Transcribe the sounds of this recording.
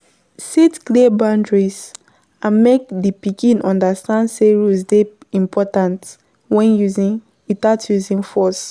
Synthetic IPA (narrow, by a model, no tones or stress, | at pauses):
sitklibãndɹis | ãnmek̚dipikĩnɔ̃ndastãndseɹusde | ĩmpʰɔtãnt | wɛ̃njuzĩn | itatʰjuzĩnfɔs